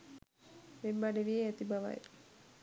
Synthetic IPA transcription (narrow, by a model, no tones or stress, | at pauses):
ʋembaɖeʋijeæt̪ibaʋa̰j